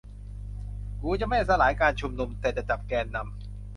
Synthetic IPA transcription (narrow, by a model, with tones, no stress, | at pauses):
kuː˨˦t͡ɕa˨˩ma˥˩jsa˧˩laː˩˦jkaː˧nt͡ɕʰu˧mnu˧mt̪ʰeː˨˩t̪̚ɾa˧˩t͡ɕa˨˩p̚kɛː˧nːa˧m